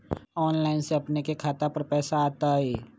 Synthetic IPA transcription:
ɔːnlaːɪnseɐpnekekʰaːt̪apɐɾpɛːsaːt̪aɦeː

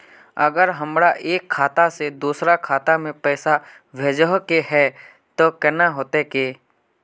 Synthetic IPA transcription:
əɡəɾɦəmɾaʔeːkʰːaːt̪ased̪uːsɾakʰaːt̪amẽpɛːsa | ʋʱeːd͡ʒəɦkeɦɛ | t̪okɛnaɦoːt̪ekeː

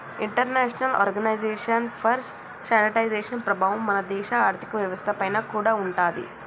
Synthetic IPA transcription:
iɳʈɐɾneːʂɐnɐlɔ̰ːɾɡɐnɐjd͡ʒeːʂɐnpʰɐɾsʈ | saːnɐʈɐjzeːʂɐnpɾɐbʱaːʋɐmːɐnɐd̪ɛːʂɐaːɾt̪ʰi̥kɐʋjɐʋɐst̪ʰɐpɐjnɐːkuːɽaːuɳʈaːd̪ḭ

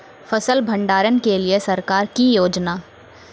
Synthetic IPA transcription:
fəsəlbʱɐ̃ɳɖaːɾənkeliesɐɾkaːɾkijoːd͡ʒnaː

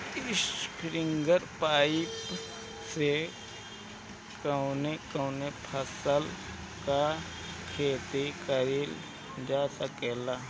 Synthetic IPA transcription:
iskɾiŋɡəɾpaːip | se | kɐwnekɐwnepʰɐsəl | ka | kʰeːt̪ekɐɾil | d͡ʒaːsɐkeːla

